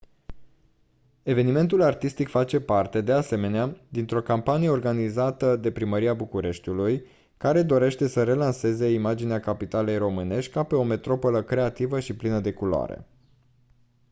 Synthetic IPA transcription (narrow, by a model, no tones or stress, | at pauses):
e̞ve̞nime̞nt̪ulart̪ist̪ikfat͡ʃe̞part̪e̞d̪e̞ase̞me̞nead̪int̪ɾo̞kampanije̞o̞rɡanizat̪əd̪e̞pɾiməɾiabukuɾe̞ʃt̪uluj | kaɾe̞d̪o̞ɾe̞ʃt̪e̞səɾe̞lanse̞ze̞imad͡ʒineakapit̪ale̞jro̞mɨne̞ʃt̪̚ʲkape̞o̞me̞t̪ɾo̞po̞ləkɾe̞at̪ivəʃiplinəd̪e̞kuloa̰ɾḛ